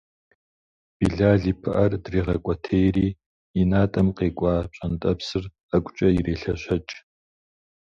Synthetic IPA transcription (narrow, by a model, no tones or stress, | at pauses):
b̥iːɮaːɮiːpʰɨʔɐrdriːʁɐkʷʼɔtʰejriː | inaːtʼɐmqeːkʷʼɑːpɕʼɐntʼɐpsɨr | akʷʼʊt͡ʃʼɐjireːɬɐɕɐt͡ʃʼ